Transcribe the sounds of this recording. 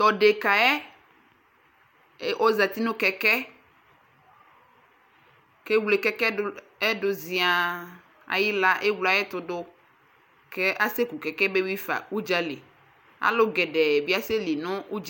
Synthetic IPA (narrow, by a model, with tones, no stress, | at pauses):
t̪ɔ˨ɖe˨ka˨ɛ˦ | ʔo˦za˨t̪i˦nũ˦kɛ˨kɛ˦ | ke˦wle˨kɛ˦kɛ˦ | ɛ˦ɖo˨zi˨a˨ | a̰˨ji˦la˦ʔe˦wla˨˦ɛ˦t̪ʊ˨ɖo˦ | ke˦ʔa˦se˦ku˨kɛ˨kɛ˦be˦wi˦fa̰˨wu˦d͡ʒa˦le˨ | a̰˨˦lo˦ɡɛ˨ɖɛ˨bi˦a˦se˦li˨nõ˦u˦d͡ʒ